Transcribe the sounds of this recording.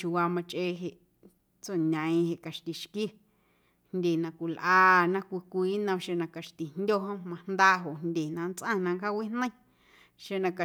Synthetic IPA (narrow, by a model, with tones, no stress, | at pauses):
t͡ʃu˧wa˧mã˧t͡ʃʔeː˧ɦe˧ʔ | t͡so˦˨nã˨ĩ˧he˧ʔka˨ʃt̪i˨ʃki˦˨ | hndʲe˨nã˧kʷi˨lʔaː˧˦nã˧kʷi˧kʷiː˨˦nã˧ʃe˧nã˧ka˨ʃt̪i˨n̥dʲo˦ɦõ˦mã˧nd̪aː˦˧ɦo˨nd̪ʲe˨nã˧nt͡sʔã˦˧˨nã˧ŋka˦wi˦n̥nə̃˦j̃ | ʃe˧nã˧ka˨